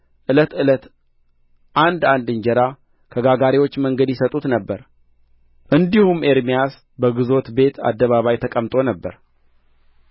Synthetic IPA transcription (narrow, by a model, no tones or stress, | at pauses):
ʔɨlət̪ɨlət̪ | ʔand̪and̪ɨɲd͡ʒɛɾa | kʰəɡaɡaɾiwot͡ʃːməŋɡəd̪jɪsət̪ʼut̪nəbːəɾ | ʔɨnd̪ihume̞ɾmijas | bəɡɨzo̞t̪be̞t̪ʰa̰d̪ːəβaβajt̪ʰəkʼəmt̪ʼo̞nəbːəɾ